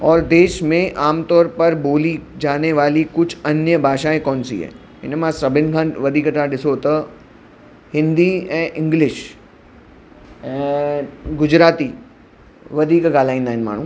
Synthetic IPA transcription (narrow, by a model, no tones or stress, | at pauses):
ɔːɾd̪eːʃmẽʔaːmt̪ɔːɾpɐɾboːlid͡ʒaːneʋaːlikʊt͡ʃʰɐnjəbʱaːʃaːẽkɔːnsḭɦɛ̰ː | ɪ̰nmãsɐbɪnkʰãːnʋɐd̪ʱiːkəʈãɗɪsot̪ɐ | hɪ̃nd̪iɛ̃ːʔɪ̃ŋɡlɪʃ | ɛ | ɡʊd͡ʒɾaːt̪i | ʋɐd̪ʱiːkɡaːlaːĩːnd̪aɦɪnma̰ːɳ̤ũː